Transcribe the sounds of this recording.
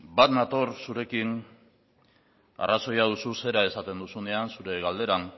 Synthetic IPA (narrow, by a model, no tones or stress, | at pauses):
bat̪nat̪o̞ɾsuɾe̞kin | a̰rʔaso̞jað̞ususe̞ɾae̞sat̪e̞nd̪usune̞ansuɾe̞ɣald̪e̞ɾan